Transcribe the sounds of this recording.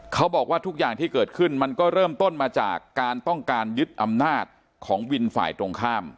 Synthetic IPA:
kʰa˦˥wbɔː˨˩k̚waː˥˩t̪ʰu˦˥k̚jaː˨˩ŋt̪ʰiː˥˩kɤː˨˩t̪̚kʰɯ˥˩nma˧nkɔː˥˩ɾɤː˥˩mt̪o˥˩nmaː˧t͡ɕa̰ː˨˩kːaː˧nt̪ɔ˥˩ŋkaː˧njɯ˦˥t̪̚ʔa˧mnaː˥˩t̪̚ | kʰɔː˩˦ŋwi˧nfa̰ː˨˩jt̪ɾo˧ŋkʰaː˥˩m

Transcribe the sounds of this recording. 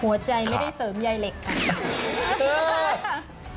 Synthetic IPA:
hu˩˦ɐt͡ɕa˧jma˥˩jda˥˩jsɤː˩˦mjaː˧jle˨˩kʰːa˦˥˩ | ɤː˧

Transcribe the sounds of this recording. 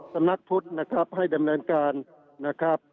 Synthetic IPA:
sa˧mna˧˦˥k̚t̪ʰu˦˥˩t̪̚na˦˧˩kʰa˦˥p̚ha˥˩jda˨˧mnɤː˧nkaː˨nː | a˦˥˩kʰɾa˦˥p̚

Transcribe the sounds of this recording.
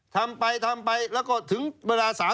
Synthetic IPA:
t̪ʰa˧mpa˧jt̪ʰaː˧mɓa˧jlɛː˦˥kɔː˧˩t̪ʰɯ˨˦ŋɓəː˧laː˧saː˨˦

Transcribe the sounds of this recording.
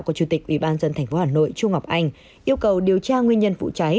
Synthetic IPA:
kɔ˨˦t͡ɕu˧˩t̪ï˨˩k̟̚ʔwi˧˩ɓaː˧nzə˧nt̪ʰɛ˨˩jŋ̟fo˨˦haː˧˨˩no̰˧˨jt͡ɕu˧ŋ͡mŋɔ˨˩wk͡p̚ʔa˧jŋ̟ | ʔi˧əwkə˨˩wɗi˨˩əwt͡ɕaː˧ŋwi˧ənɲə˧nfṵ˧˨t͡ɕa˨˦j

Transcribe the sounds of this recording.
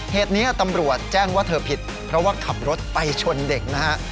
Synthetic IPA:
heː˨˩t̪̚niː˦˥ɐt̪a˧mɾu˨˩ət̪̚t͡ɕɛː˥˩ŋwaː˥˩t̪ʰɤː˧pʰi˨˩t̪̚ | pʰɾɔ˦˥waː˥˩kʰa˨˩p̚ɾo˦˥t̪̚pa˧jt͡ɕʰo˧nde˨˩k̚na˦˥ha˦˥ʔ

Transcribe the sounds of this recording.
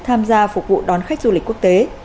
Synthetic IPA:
t̪ʰaː˧mzaː˧fʊ˨˩k̚vṵ˧˨ɗɔ˨˦nxa˦˥k̟̚zu˧li̟˨˩ku˦˥ək̚t̪e˨˦

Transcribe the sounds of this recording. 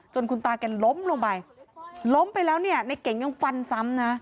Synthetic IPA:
t͡ɕo˧nkʰu˧nt̪aː˧˩kɛ˧˩nlo˨˦˥mlu˧ə˧ŋbaː˨˩jlo˦˥mpa˧jlɛː˨˦˥wni˧˩ɐna˧˩jke˨˩˦ŋa˧˥˦ŋfa˧nsa˨˦˥mnaː˨˦˥

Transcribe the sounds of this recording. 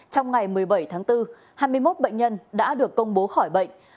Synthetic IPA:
t͡ɕɔ˧wŋ͡mŋa˨˩jmɨ˨˩əjɓə˧˩jt̪ʰaː˨˦ŋt̪ɨ˧ | haː˧jmɨ˧əjmo˦˥t̚ɓə̰˧˨ŋ̟ɲə˧nɗa̰ː˧˥ɗɨ˨˩əkːə˧wŋ͡mɓo˨˦xɔ˧˩jɓə̰˧˨jŋ̟

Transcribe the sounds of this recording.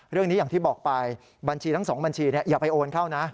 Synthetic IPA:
ɾɯ˥˩əŋni˦jaː˨˩ŋt̪ʰiː˥˩bɔː˨˩k̚pa˧j | ba˧nt͡ɕʰiː˧t̪ʰŋsɔː˩˦ŋba˧nt͡ɕʰiː˧ni˥˩jaː˨˩pa˧jʔoː˧nkʰa˥˩wna˦˥

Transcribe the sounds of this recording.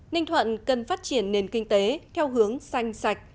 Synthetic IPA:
nï˧ŋ̟t̪ʰwə̰˧˨nkə˨˩nfaː˦˥t̚t͡ɕi˧˩ənːe˨˩nkï˧ŋ̟t̪e˨˦t̪ʰɛ˧wɦɨ˨˦əŋsa˧jŋ̟sa˨˧˩jk̟̚

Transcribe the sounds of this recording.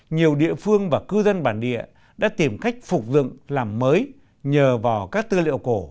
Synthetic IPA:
ɲi˨˩əwɗḭ˧˨əfɨ˧əŋvaː˨˩kɨ˧zə˧nɓaː˧˩nɗḭ˧˨ə | ɗa̰ː˧˥t̪i˨˩mxa˦˥jk̟̚fʊ˨˩k͡p̚zɨ̰˧˨ŋlaː˨˩mːəː˨˦j | ɲəː˨˩vaː˨˩wkaː˦˥k̚t̪ɨ˧lḭ˧˨əwko˧˩

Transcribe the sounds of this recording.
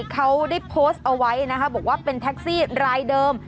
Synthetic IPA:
kʰa˦˥wda˥˩jpʰoː˦˥st̪̚ʔa˧wa˦˥jna˦˥kʰa˦˥˩bɔː˨˩k̚waː˥˩pe˧nt̪ʰɛ˦˥k̚siː˥˩ɾaː˧jdɤː˧m

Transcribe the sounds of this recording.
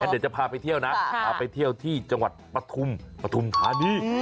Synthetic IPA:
aː˦˥ndt͡ɕa˨˩pʰaː˧pa˧jt̪ʰi˥˩əwna˦˥pʰaː˧pa˧jt̪ʰi˥˩əwt̪ʰiː˥˩t͡ɕa˧ŋwa˨˩t̪̚pɾa˧t̪ʰu˧mpɾa˧t̪ʰu˧mkʰaː˦˥niː˦˥˩

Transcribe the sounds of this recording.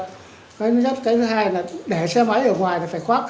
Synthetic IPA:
kɔː˨˦n˨˦zə˦˥t̚kaː˨˦jt̪ʰɨ˨˦haː˧jlaː˨˩ɗe˧˩sɛ˧mə˨˦jʔəː˧˩ŋwaː˨˩jlaː˨˩faː˧˩jxwaː˦˥p̚

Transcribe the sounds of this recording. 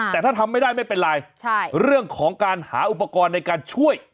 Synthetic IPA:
ɛː˨˩t̪ʰaː˥˩t̪ʰa˧mːa˥˩daː˥˩jma˥˩jpe˧nɾaː˧jt͡ɕʰa˥˩ɾɯ˥˩əŋkʰɔː˩˦ŋkaː˧nha̰ː˩˦ʔu˨˩pːa˧kɔː˧nːa˧jkaː˧nt͡ɕʰu˥˩əj

